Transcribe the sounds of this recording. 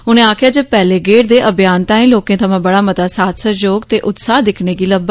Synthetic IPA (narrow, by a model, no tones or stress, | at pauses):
ʊnẽːaːkʰɪjaːd͡ʒepɛːleːɡeːʈd̪eːʔəbjaːnt̪ãːĩːloːkẽːt̪ʰəmãːbəɽaːmət̪aːsaːt̪səd͡ʒoːɡt̪eːʔʊt̪saːɦd̪ɪkʰneːɡiːləbə